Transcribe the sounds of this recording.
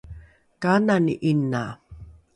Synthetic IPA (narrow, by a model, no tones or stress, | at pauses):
kananḭʔinːa